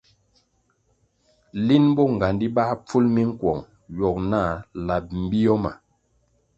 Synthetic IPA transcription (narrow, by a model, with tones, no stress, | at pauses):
li˦nbɔ˦ŋ˨ɡa˨ndi˦ba˦p͡fu˦lmi˦ŋ̩˦kwɔ˨ŋ | jɔ˨k̚na˦˨la˨p̚m̩˨bi˦jɔ˦ma̰˨